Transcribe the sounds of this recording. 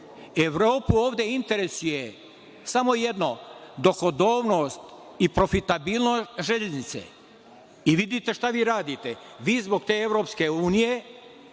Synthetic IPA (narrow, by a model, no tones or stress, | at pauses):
eʋɾoːpuoːʋd̪ʲe̞int̪e̞ɾesuje | samo̞jed̪no̞d̪o̞ko̞d̪oːʋno̞ːst̪ipɾo̞fit̪abiːlˠnot̪ʒeʎeznit̪sḛ | iʋid̪it̪e̞ʃt̪aʋiːɾaːd̪it̪e | ʋiːzbo̞ɡ̚t̪e̞ːe̞ʋɾo̞ːpske̞uːnije̞